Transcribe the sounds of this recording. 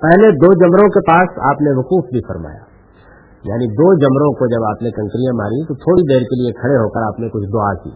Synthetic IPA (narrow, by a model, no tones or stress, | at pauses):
pɛɦled̪oːd͡ʒɐmɾõkepaːsa̰ːpneʋɐquːfbʱifɐɾma̰ːja̰ː | ja̰ːnid̪oːd͡ʒɐmɾõkod͡ʒɐbaːpnekɐ̃ŋkɾijãma̰ːɾĩt̪ot̪ʰoːɽid̪eːɾkeliekʰɐɽeɦokəɾaːpnekʊt͡ʃʰd̪ʊaːkḭː